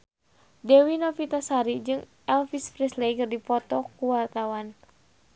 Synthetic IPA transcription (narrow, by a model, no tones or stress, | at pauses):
dɛwinɔfit̪asaɾid͡ʒɨŋ | ɛlfispɾislekɨrdipɔt̪ɔkuwart̪awan